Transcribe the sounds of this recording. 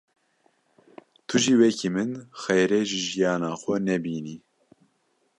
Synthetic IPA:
t̪ʰuʒiːwɛkʰiːmɨnxɛjɾeʒiʒijɑːnɑːxʷɛnɛbiːniː

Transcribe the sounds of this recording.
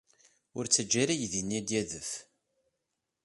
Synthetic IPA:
ʊɾt͡sːəd͡ʒːaɾæjðinːid̪jæðəf

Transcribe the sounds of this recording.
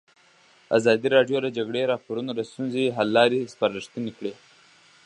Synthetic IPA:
a̰zɑd̪iɾɑɖjoləd͡ʒaɡɽeɾɑpoɾunod̪əst̪unzeɦalːɑɾespɑɾəʂt̪ənekɽe

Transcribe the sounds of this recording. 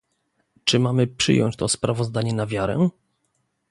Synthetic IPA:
t͡ʂɘmamɘpʂɘ̰jɔ̰ɲt͡ɕt̪ɔspɾavɔzd̪aɲɛnavʲjaɾɛ̰

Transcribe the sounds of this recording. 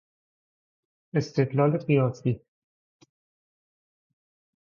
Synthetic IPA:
e̞st̪ʰed̪lɒːleɢijɒːsiː

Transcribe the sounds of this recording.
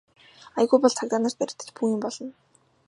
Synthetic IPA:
aj̆ɣujpɔɮt͡sʰakt̪aːnărt̪̚pæɾʲɪ̆t̪ɘ̆t͡ɕpʰuiːmpɔɮɞ̆n

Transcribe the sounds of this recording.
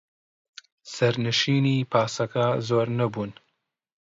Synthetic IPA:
sɐɾnɨʃiːniːpʰaːsɐkɐzoːɾnɐbuːn

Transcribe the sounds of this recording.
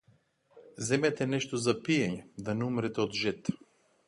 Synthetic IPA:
zɛmɛt̪ɛnɛʃt̪ozapiɛɲɛd̪anɛumɾɛt̪ɛod̪ʒɛt̪

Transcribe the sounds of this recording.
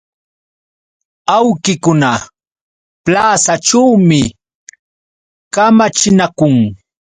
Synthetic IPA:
awkɪkʊna | plaːsaʈ͡ʂawmɪ | kamat͡ʃɪnakʊŋ

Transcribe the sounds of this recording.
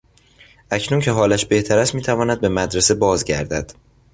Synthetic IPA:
ʔæcʰnuncʰe̞ɦɒːlæʃbe̞ht̪ʰæɾæst̪miːt̪ʰævɒːnæd̪̚be̞mæd̪ɾese̞bɒːzɟæ̰ɾd̪æd̪̥

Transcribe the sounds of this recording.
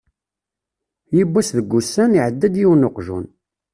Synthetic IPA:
jəbːæsðəɡʷːusːæniʕəd̪ːæd̪jiwnoqʒṵn

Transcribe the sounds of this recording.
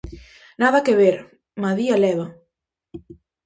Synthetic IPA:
naðɐkeβeɾ | maðialɛβa

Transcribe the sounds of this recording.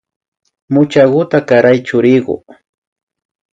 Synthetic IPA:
mʊt͡ʃaɢʊt̪akaɾajt͡ʃʊɾɪɢʊ̰

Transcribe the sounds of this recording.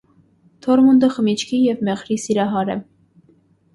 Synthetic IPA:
t̪ʰɔɾmund̪əχəmit͡ʃʰkʰijɛvmɛʁɾisiɾɑɦɑɾɛ̰

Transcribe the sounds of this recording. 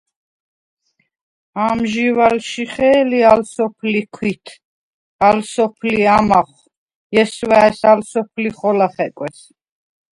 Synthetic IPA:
amʒivalʃiχɛːlialsɔpʰlikʰwit̪ʰ | alsɔpʰliamaχ | jɛswaɛsalsɔpʰliχɔlaχɛkʼwɛs

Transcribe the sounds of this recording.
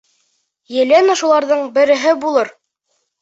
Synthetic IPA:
jɘ̆lænɑʃulˠɑɾðɤɴbɘ̆ɾɘ̆ɦɘbulˠɤɾ

